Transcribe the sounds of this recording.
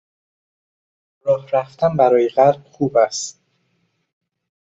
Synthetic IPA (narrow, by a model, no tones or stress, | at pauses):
ɾɒːhɾæft̪ænbæɾɒːjeɣæɾb̥̚xuːbæst̪